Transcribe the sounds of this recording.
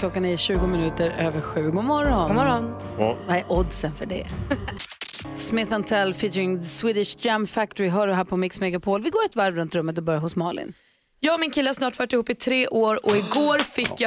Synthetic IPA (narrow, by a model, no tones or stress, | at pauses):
kʰlɔkːaniːɕʉ̟ːɡʊmɪnʉ̟ːt̪əɾøːvəɧʉ̟ːɡʊmɔɾɔnɔɾɔn | vaɛɾʔɔd̪sənfœɖɛ̰ | smɪθant̪ʰɛlːfɪt̪ɪŋswiːd̪ɪʂd̪jamfæk̚t̪ɔɾɪɦœːɖɵɦæːɾpʰɔmɪksmɛɡapʰoːlvɪɡoːɾɛt̪væɾvɾɵnt̪ɾɵmːət̪̬ɔbœɾjaɦʊsmɑːlɪ̰n | jɑːɡɔmɪnkʰɪlːəhasnɑːʈfœːʈːɪhuːpːɪt̪ʰɾeːʔoːɾɔɪɡoːɾfɪkːja